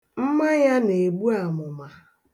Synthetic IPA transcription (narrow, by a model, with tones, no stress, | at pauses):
m̩˦ma˦ja˦ne˨ɡ͡bu˦a˨mʊ˨ma˨